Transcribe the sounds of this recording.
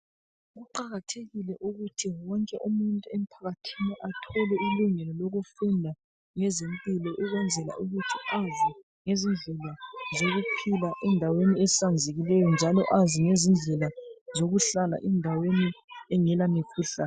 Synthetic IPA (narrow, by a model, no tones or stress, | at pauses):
ɣuǃaɣatʰeɣilɛʔuɣutʰiwɔŋkʼɛʔumuntʼuem̩pʰaɣatʰiniʔatʰɔlɛiluŋɛlɔloɣufundʱa | ŋɛzempʼilɔʔuɣwɛnd͡zʱɛla̰ʔuɣutʰi̥azi | ŋezind͡ɮʱɛlazoɣupʰilaʔɛndʱaweniɛsand͡zʱeɣilɛjɔnd͡ʒʱalɔʔaziŋezind͡ɮʱɛlazoɣuɬala̰ʔɛndʱaweniɛŋɛlamikʰuːɬa